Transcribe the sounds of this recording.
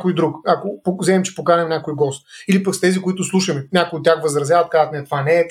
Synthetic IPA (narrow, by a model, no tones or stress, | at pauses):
koʊjd̪ɾukakopozɛɛmt͡ʃɛ̥pokanɛmnʲakojɡɔst̪̚ilipɐkst̪ɛzikoit̪ʊslˠuʃɐmɛnʲakʊjʊt̪ːʲjaxvəzɾɐzjavɐt̪̚kazət̪mɛɛt̪ovanɛː